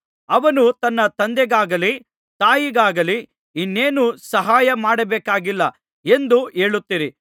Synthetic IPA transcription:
ɐʋɐnut̪ɐnːɐt̪ɐnd̪ɛɡaːɡɐli | t̪aːjiɡaːɡɐli | inːeːnusɐɦaːjɐmaːɽɐbeːkaːɡilːɐ | e̞nd̪ue̞ːɭut̪ːiɾi

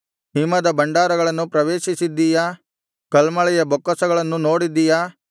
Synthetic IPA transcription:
ɦimːɐd̪ɐbɐɳɖaːɾɐɡɐɭɐnːupɾɐʋeːʃisid̪ːijɐ | kɐlmɐɭɛjɐbɔkːɐsɐɡɐɭɐnːuno̞ːɽid̪ːijɐ

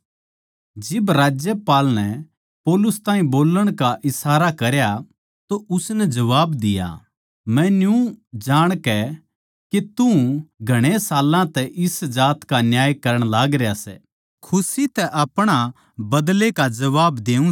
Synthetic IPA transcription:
d͡ʒɪbɾaːd͡ʒjəpaːlnɛ | pɔːlʊst̪ãːĩboːləɽ̃kaʔɪsaːɾakɐɾja | t̪oʔʊsnɛd͡ʒɐʋaːbd̪ɪja̰ | mɛ̃njũd͡ʒaːɽ̃kɛ | ket̪ũɡʱɐɽ̃esaːlãt̪ɛʔɪsd͡ʒaːt̪kanjaːjkɐɾəɽ̃laːɡɾejasɛ̰ | kʰʊsit̪ɛʔɐpɽ̃a | bɐd̪lekad͡ʒɐʋaːbd̪eːũ

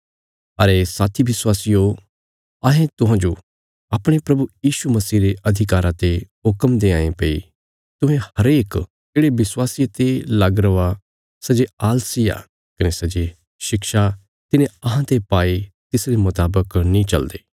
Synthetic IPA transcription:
ɐɾesaːt̪ʰiʋɪswaːsijo | aɦẽt̪ʊ̃ɦãd͡ʒo | aːpɽ̃epɾɐbujiːʃumɐsiːɾeʔɐd̪ʱɪkaːɾãt̪eɦʊkəmd̪eã̰ːẽpeḭ | t̪ʊ̃ɦẽhɐɾeːk | d͡ʒeːɽeʋɪswaːsiet̪elɐɡɾɐʋa | sɐd͡ʒeaːlsija̰ | kɐnesɐd͡ʒe | ʃɪkʃa | t̪ɪnẽɐɦãt̪epaːi | t̪ɪsɾemʊt̪aːbəknĩt͡ʃɐld̪eː

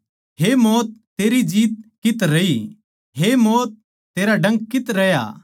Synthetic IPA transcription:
ɦemɔːt̪̚ːeːɾid͡ʒiːt̪̚kɪt̪ɾɐi | ɦemɔːt̪̚ː | eːɾaɖɐ̃ŋɡkɪt̪ɾɐja̰

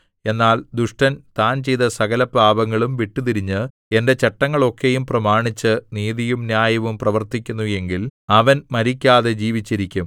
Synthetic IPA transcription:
e̞nːaːld̪uʂʈɐnt̪aːnt͡ɕe̞jt̪ɐsɐɣɐlɐbaːbɐŋːɐɭumʋiʈːut̪iɾiɲːɨ | e̞nde̞t͡ɕeʈːɐŋːɐɭo̞kːejumprɐmaːɳit͡ɕːɨniːðijumnjaːjɐʋumprɐʋɐrt̪ikʲːunːuje̞ŋɡilɐʋɐnmɐɾikʲːaːðe̞d͡ʑiːʋit͡ɕːiɾikʲːum

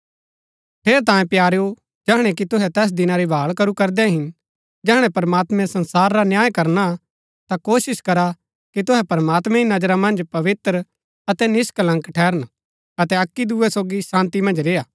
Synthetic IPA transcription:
pʰeːɾt̪ãːjẽpjaːɾeo | d͡ʒɛːɦɽ̃ɛk̬it̪ʊɦɛt̪ɛːs̬d̪ɪnaɾibʱaːɭkɐɾukɐɾd̪ɛɦɪn | d͡ʒɛːɽ̃ɛ̃pɐɾmaːt̪mɛ̃sɐ̃nsaːɾːanjaːjkɐɾna | t̪akoːsɪskɐɾa | kit̪ʊɦɛpɐɾmaːt̪mɛ̃inɐd͡ʒɾamɐ̃nd͡ʒpɐʋɪt̪ɾ | ɐt̪ɛnɪsklɐ̃ŋkʈʰɛːɾən | ɐt̪ɛɐkːid̪uɛsoːɡisãːnt̪imɐ̃nd͡ʒɾeːaː

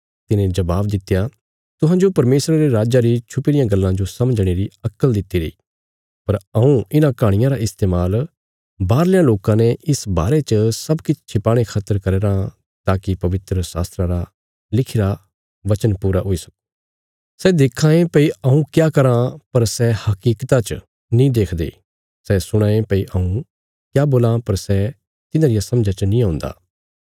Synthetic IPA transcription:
t̪ɪnẽd͡ʒɐbaːbd̪ɪt̪ːja | t̪ʊɦãːd͡ʒopɐɾmeːsɾaɾeɾaːd͡ʒaɾit͡ʃʰʊpːɾɪjãɡɐlːãd͡ʒosɐməd͡ʒɽ̃eɾiɐkːəld̪ɪt̪ːiɾɐiː | pɐɾɐũɪnãkaːɽ̃ɪjãɾaʔɪst̪eːmaːl | baːɾlɪjãloːkãneɪsba̰ːɾet͡ʃəsɐbkɪt͡ʃʰt͡ʃʰɪpaːɽ̃ekʰaːt̪əɾkɐɾeːɾã | t̪aːkipɐʋɪt̪ɾəsa̰ːst̪ɾãɾa | lɪkʰiɾa | ʋɐt͡ʃənpuːɾaɦoisɐk̚ | sɛd̪ɪkʰːaːẽpɐiɐũkjaːkɐɾãpɐɾsɛhɐkiːkt̪at͡ʃ | nĩd̪eːkʰd̪ḛː | sɛsʊɽ̃ãːẽpɐiʔaũ | kjaːboːlãpɐɾsɛ | t̪ɪnãɾɪjasɐ̃md͡ʒat͡ʃənĩãːʊ̃nd̪a̰ː

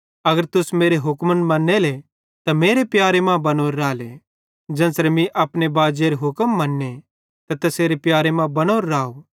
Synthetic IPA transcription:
ɐɡəɾt̪ʊsmeːɾeɦʊkmənmɐnːele | t̪ameːɾepjaːɾemãbɐnoːɾːaːle | d͡ʒɛ̃ːnsɾemĩʔɐpnebaːd͡ʒeɾeɦʊkəmːɐnːe | t̪at̪ɐseːɾepjaːɾemãbɐnoːɾːaːo

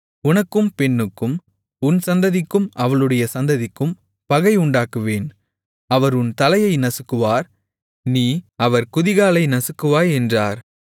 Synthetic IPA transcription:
ʊnɐkːɯmpɛnːɯkːɯm | ʊnsɐnd̪ɐðɪkːɯmɐʋɐɭɯɽɐjɐsɐnd̪ɐðɪkːɯm | pɐɣɐɪʊɳɖaːkɯʋeːn | ɐʋɐɾʊnt̪ɐlɐjɐɪnɐsɯkːɯʋaːɾ | niːɐʋɐɾkʊðɪɣaːlɐɪnɐsɯkːɯʋaːjɛndraːɾ

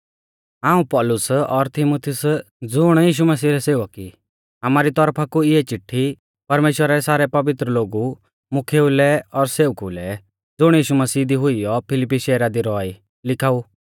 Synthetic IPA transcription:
aːũpɔːlʊsɔɾt̪ʰɪmoːt̪ʰiʊs | d͡zʊɽ̃jiːʃ̬umɐsiːɾɛseːʋɐki | amaːɾit̪ɔɾpʰakuɪɛt͡ʃɪʈʰːi | pɐɾmeːʃwəɾaɾɛsaːɾɛpɐʋɪt̪ɾəloːɡu | mʊkʰeːulɛɔɾseːʊkulɛ | d͡zʊɽ̃jiːʃumɐsiːd̪iɦʊijɔpʰɪlɪpːiʃɛːɾad̪iɾɔi | lɪkʰaːu

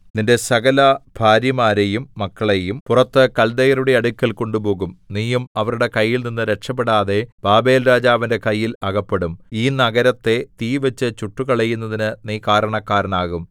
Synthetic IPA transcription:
ninde̞sɐɣɐlɐb̥ʱaːɾjɐmaːɾejumːɐkːɐɭejumpurɐt̪ːɨkɐld̪ɐjɐɾuɽe̞ɐɽukʲːɐlko̞ɳɖupo̞ːɣumniːjumɐʋɐɾuɽe̞kɐjːilninːɨɾekʂɐp̬ːeɽaːðe̞b̥aːbe̞ːlɾaːd͡ʑaːʋinde̞kɐjːilɐɣɐpːe̞ɽumiːnɐɣɐɾɐt̪ːe̞t̪iːʋɐt͡ɕːɨt͡ɕuʈːukɐɭɐjːunːɐðinɨniːkaːɾɐɳɐkːaːɾɐnaːɣum

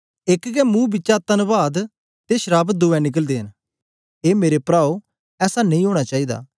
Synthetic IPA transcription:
ɪkɡɛːmũːbɪt͡ʃaːt̪ənbaːd̪ | t̪eːʃəɾaːbd̪uːɛ̃nɪk̬əld̪eːɦən | eːmeːɾepɾaːo | ɛːsanẽĩːɦoːɽ̃aːt͡ʃaːiːd̪a̰ː

